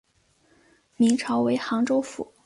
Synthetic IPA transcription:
mi˧˥ŋʈ͡ʂʰɑ˧˥ʊwe˧˥ɪxɑ˧˥ŋʈ͡ʂo˥ʊfṵ˨˩˦

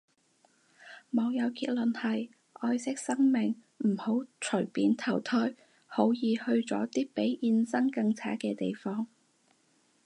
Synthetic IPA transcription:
mɐ˨˧wjɐ˨˧wkiː˧t̚lɵ˨nhɐ˨j | ʔɔː˧jsɪ˥k̚sɐ˥ŋmɪ˨ŋ | m̩˨˩ho˨˥wt͡ʃʰɵ˨˩ɥpiː˨˧nt̪ʰɐ˨˩wt̪ʰɔː˥j | ho˨˥wjiː˨˧hɵ˧ɥt͡sɔː˨˥t̪iː˥pe˨˥jʔiː˧nsɐ˥ŋkɐ˧ŋt͡sʰa̰ː˨˥kɛː˧t̪e˨jfɔː˥ŋ

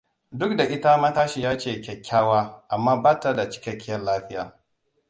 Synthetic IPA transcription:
dʊ˦k̚da˨ʔɪ˦ta˦mɐ˦taː˦ʃi˨jaː˦t͡ʃeː˦˨kʲɛ˨kʲʰːaː˦waː˦ʔa˨mːaː˦baː˦ta˦da˨t͡ʃɪ̥˦kʲɐ˦kʲːɪ˦jɐ˦nlaː˦ɸɪ˦ja̰ː˨

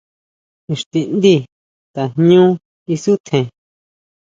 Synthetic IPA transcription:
ĩ˧ʂt̪i˧nd̪i˦˨ | t̪a˨nɲũ˦ | i˧su˦t̪ʰẽ˨

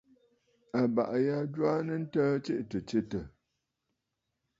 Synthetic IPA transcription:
a˨ba̰˨ʔja˦ɟwa˦nə˦n̩˦təː˦t͡ʃe˦ʔtə˨t͡ʃe˦tə˨

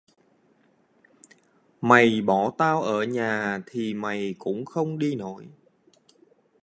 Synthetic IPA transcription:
ma˨˩jɓɔ˧˩t̪aː˧wʔəː˧˩ɲaː˨˩t̪ʰi˨˩ma˨˩jkʊ̰˧˥ŋ͡mxə˧wŋ͡mɗi˧no˧˩˨j

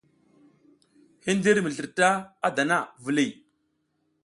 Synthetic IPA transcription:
hi˦n˦di˦ɾmə˨ɮə˨ɾta˦a˦da˨na˦˨və˨li˨

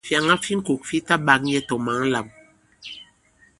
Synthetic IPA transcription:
fja˨ŋa˦fi˦ŋ̩˦ko˨kfi˦ta˦ɓa˨˦k̚ɲɛ˦tɔ˨ma˨˦ŋ˦la˨m

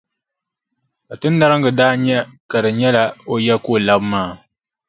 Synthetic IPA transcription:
ka˨tɨ˦n̩ː˦a˦ɾɨ˦ŋɡɨ˨daː˦ɲɛ˦ka˨dɨ˨ɲɛ˦la˦o˨jɛ˦koː˦˨la˦bmaː˦˨

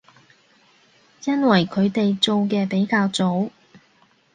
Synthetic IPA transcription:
jɐ˥nwɐ˨˩jkʰɵ˨˧ɥt̪e˨jt͡so˨˧wkɛː˧pe˨˥jkaː˧wt͡so˨˥w

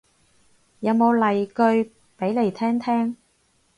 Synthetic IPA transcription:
jɐ˨˧wmo˨˧wlɐ˨jkɵ˧ɥ | pe˨˥jle˨˩jt̪ʰɛː˥ŋt̪ʰɛː˥ŋ

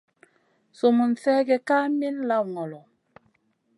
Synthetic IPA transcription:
so˨mu˨n̩˨sɛː˦ɡɛ˨kaː˦mi˦n˦la˦˨wŋɔ˨lɔ˨

